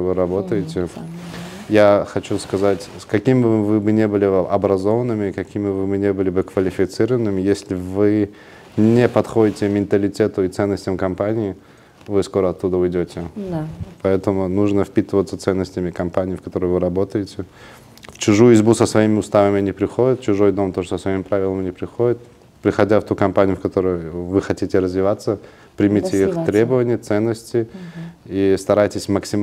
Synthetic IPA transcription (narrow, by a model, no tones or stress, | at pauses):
vɨɾɐbo̞t̪əjɪtʲɪ | jaxɐt͡ɕuskɐzatʲskɐkʲimʲɪbvɨbɨnʲebɨlʲɪʔɐbɾɐzo̞vənːɨmʲɪkɐkʲimʲɪvɨbɨnʲebɨlʲɪbɨkvəlʲɪfʲɪt̪sɨɾəvənːɨmʲɪjesʲlʲɪvɨ | nʲepɐt̪xo̞dʲɪtʲɪmʲɪnt̪əlʲɪtʲet̪ʊɪt̪sɛnːəsʲtʲəmkɐmpanʲɪɪ | vɨsko̞ɾəɐt̪ːud̪əʊjdʲotʲɪ | pɐɛt̪əmʊnuʐnəfpʲit̪ɨvət̪sət̪sɛnːəsʲtʲɪmʲɪkɐmpanʲɪːfkɐt̪o̞ɾəjvɨɾɐbo̞t̪əjɪtʲɪ | ft͡ɕʊʐujʊɪzʲbusəsvɐimʲɪʊst̪avəmʲɪnʲɪpɾʲɪxodʲɪt̪̚t͡ɕʊʐo̞jd̪o̞mt̪oʐsəsvɐimpɾavʲɪlˠəmnʲɪpɾʲɪxodʲɪt̪̚ | pɾʲɪxɐdʲaft̪ukɐmpanʲɪjʊfkɐt̪o̞ɾəjʊvɨxɐtʲitʲɪɾəzvʲɪvat̪sːə | pɾʲɪmʲitʲɪixt̪ɾʲebəvənʲɪjət̪sɛnːəsʲtʲɪ | ist̪ɐɾajtʲɪsʲməksʲɪ